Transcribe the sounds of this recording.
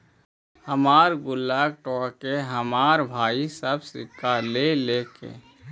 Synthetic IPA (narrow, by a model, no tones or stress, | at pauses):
həmaːɾɡʊlːaːɡ̚ʈɔːkeɦəmaːɾbʱaːisəbsɪkːalelekḛː